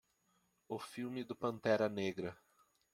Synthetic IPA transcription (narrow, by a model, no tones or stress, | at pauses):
ʊfiwmɪd̪ʊpɐ̃nt̪ɛɾɐneɡɾɐ